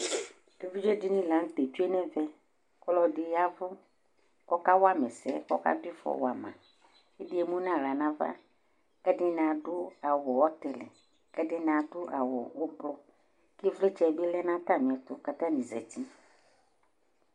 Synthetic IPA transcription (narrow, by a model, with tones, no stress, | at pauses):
e˦vi˦d͡ʒe˦di˦nĩ˦lã˨ŋ˦t̪e˨t͡ʃu˦e˦nɛ̃˦vɛ˦ | klɔ˦dɪ˦ja˦vʊ˦ | kɔ˦ka˦wa˦mɛ˨sɛ̰˦kɔ˦ka̰˦dʊ˦i˦fɔ̰˨wa˨mã̰˨ | e˦dɪ˦e˦mũ˦nã˦ɾa˨nã˦va̰˦ | kɛ˦dɪ˦n˨ã˨ɖʊ˦a˨wɔ˨wɔ˦t̪ɛ˨lɛ̰˨ | kɛ˦dɪ˦n˨ã˨dʊ˦ʔa̰˨wɔ̰˨wo˦blɔ˦ | ke˦vle˦t͡ʃɛ˦˨be˦lɛ˦nã˦t̪a˦˨mĩ˨ɛ˨t̪ʊ˨ka˦t̪ã˦nĩ˨zɛ̰˨t̪i˦